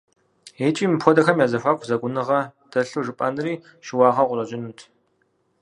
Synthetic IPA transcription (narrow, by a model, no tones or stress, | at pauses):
eːt͡ʃʼiːmɨpʰʷɔdɐxɐmjaːzɐfʷaːkʷʰʼzɐɡʷʊnɨʁɐd̥ɐɬuʐɨpʼɐnɨriː | ʃɪwɑːʁɐʁʷʊrɐʑʼɪnutʰ